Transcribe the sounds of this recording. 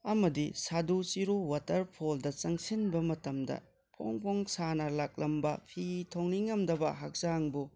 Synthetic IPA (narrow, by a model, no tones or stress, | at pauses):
ɐmɐdisadut͡ʃiɾowatɐɾpʰoldɐt͡ʃɐŋsinbɐmɐtɐmdɐ̰ | pʰo̰ŋpʰoŋsanɐlak̚lɐmbɐpʰitʰoŋniŋɐmdɐbɐɦak̚zaŋbu